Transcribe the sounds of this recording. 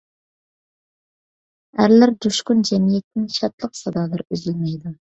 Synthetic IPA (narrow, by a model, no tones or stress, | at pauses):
æɾlæɾd̪uʃqʊnd͡ʒɛmijɛt̪nɪŋʃɑt̪lˠəqsɑd̪ɑːlˠɨɾøzylmɛjd̪u